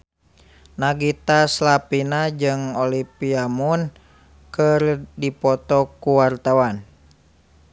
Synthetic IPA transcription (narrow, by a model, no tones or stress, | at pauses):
naɡit̪aslapinad͡ʒɨŋolipiamun | kərdipɔt̪ɔkuwart̪awan